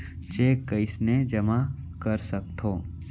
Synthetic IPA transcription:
t͡ʃeːkːəɪsned͡ʒɐma | kɐɾsɐk̚t̪ʰoː

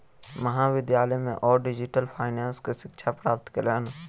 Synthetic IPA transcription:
məɦãːʋɪd̪jaːləjmḛ̃ʔɔːɾɖɪd͡ʒɪʈəlpʰaːɪnaːnskeʃɪkʃʰapɾaːp̚t̪kələːn

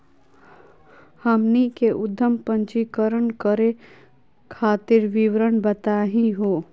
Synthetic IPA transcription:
həmnikeʔʊd̪ʱːəmpə̃ɲt͡ʃikəɾənkəɾe | kʰaːt̪ɪɾʋiʋɾənbət̪aːɦĩɦoː

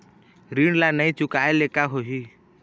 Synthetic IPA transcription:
ɾiɳlanəĩt͡ʃʊkaelekaɦoɦi

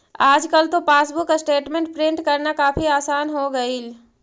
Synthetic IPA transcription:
aːd͡ʒkɐlt̪opaːsbʊksʈeːʈmẽɳʈ̚pɾɪ̃ɳʈkɐɾnakaːfiaːsaːnɦoɡɐil

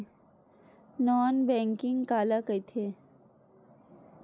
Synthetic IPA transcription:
nɔːnbɛ̃ːŋkɪŋkaːlakəjt̪ʰe

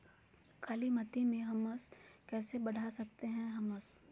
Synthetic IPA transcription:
kʰaːlimɐt̪imẽɦɐməskɛːsebɐɽ̤ʱasɐk̚t̪eɦɛ̃ɦɐməs

